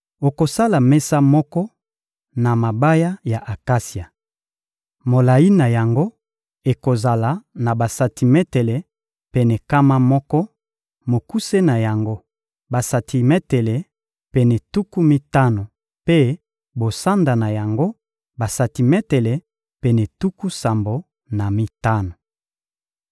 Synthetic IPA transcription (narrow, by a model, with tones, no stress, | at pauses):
o˨ko˨sa˦la˨mɛ˦sa˦mɔ˦kɔ˦ | na˨ma˨ba˦ja˦ja˨ʔa˨ka˦si˨a˨ | mo˨la˨ji˦na˨ja˨ŋɡo˦ | e˨ko˨za˨la˨˦na˨ba˨sa˨ti˨mɛ˦te˨le˨ | pɛ˨nɛ˨ka˦ma˦mɔ˦kɔ˦ | mo˨ku˦se˦na˨ja˨ŋɡo˦ | ba˨sa˨tʰi˨mɛ˦te˨le˨ | pɛ˨nɛ˨tu˦ku˦mi˦ta˦no˨ | pe˦ | bo˨sa˦nda˨na˨ja˨ŋɡo˦ | ba˨sa˨ti˨mɛ˦te˨le˨ | pɛ˨nɛ˨tu˦ku˦sa˨mbo˨ | na˨mi˦ta˦no˨